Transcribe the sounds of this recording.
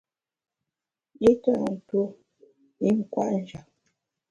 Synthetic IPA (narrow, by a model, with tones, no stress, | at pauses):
ji˦tə˦˨to˦ | i˦ŋ̩˨kwa̰˦ʔn̩˨˦d͡ʒa˨